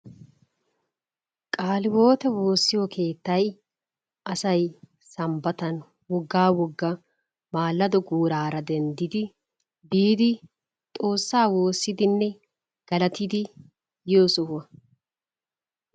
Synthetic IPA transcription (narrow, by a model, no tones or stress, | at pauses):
kʼaːlɪwo̞ːt̪ɛwo̞ːsːɪjɔkʰe̞ːt̪ːɐj | ʔɐsɐj | sɐmbɐt̪ɐn | wɔɡːaːwɔɡːɐ | maːlːɐd̪ɔɡuːɾaːɾɐd̪ɛnd̪ɪd̪ɪ | biːd̪ɪ | t̪ʼo̞ːsːaːwo̞ːsːɪd̪ɪnːɛ | ɡ̥ɐlɐt̪ɪd̪ɪ | joːsʊhɐ